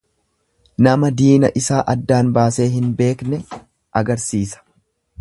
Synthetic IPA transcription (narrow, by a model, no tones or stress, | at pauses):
nɐmɐd̪iːnɐʔɪsaːʔɐd̪ːaːnbaːse̞ːɦɪnbe̞ːknɛ | ʔɐɡɐɾsiːsɐ̥